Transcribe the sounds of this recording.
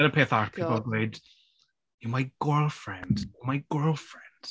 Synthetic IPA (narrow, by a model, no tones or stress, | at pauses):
ɛɾəpʰeθaɹpʰipəl̩ˠɡleɪd̥ | jəmaɪɡ̥ɜːlˠfɹɛ̃nd̥jəmaɪɡ̥ɜːlˠfɹɛ̃nd̥